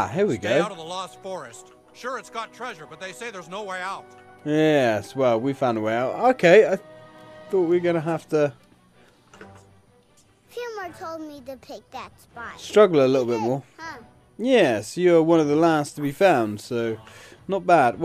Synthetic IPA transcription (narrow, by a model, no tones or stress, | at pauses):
ɦiɹwiɡoʊɾʌvðəlɔz̥fɔɹɨst | ʃʊɹɨtsɡ̥ɑtʰɹ̥ɛʒə˞bʌt̪̚ðeɪseɪðə˞znoʊweɪaʊt̚jɛswɛlˠwi̥fãʊ̃ndəweɪaʊtoʊkʰeɪaɪθɔˑt̚wiɡʌñɨɦæftə | fjʉmə˞tʰoʊlˠd̚miðɨpʰɪk̚ðætsbstɹ̥ʌɡl̩ˠəlɪɾl̩ˠbɪt̚mɔɹ | jɛsjə˞wʌ̃nʌvðəlæstʰəbifãʊ̃nd̥soʊnət̚b̥æd̚w